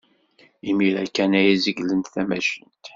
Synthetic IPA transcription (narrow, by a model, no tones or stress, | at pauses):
imiɾækːænæjæziɡlənt̪θæmæʃənt̪